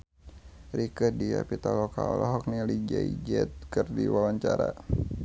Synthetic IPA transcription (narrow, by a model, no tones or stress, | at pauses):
rikədiapit̪alɔkaɔlʔɔɦɔk̚nilid͡ʒaḭd͡ʒɛt̪̚kɨrdiwawaɲt͡ʃaɾa